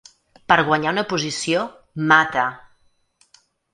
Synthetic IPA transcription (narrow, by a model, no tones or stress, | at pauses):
pəɾɣwəɲaunəpuzisio | mat̪ə